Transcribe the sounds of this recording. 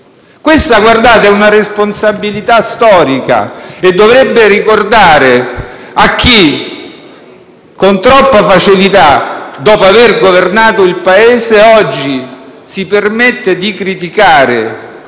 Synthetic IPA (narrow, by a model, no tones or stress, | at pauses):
kwest̪aɡward̪aːt̪aunaɾesponsabːilit̪ast̪ɔːɾika̰ed̪ːovɾebːerikord̪aːɾeak̟ːi | kont̪ɾɔpːafat͡ʃilit̪ad̪ɔːpoaverɡovernaːt̪oilpaeːzeɔd͡ʒːisipermet̪ːed̪ikɾit̪ikaːɾe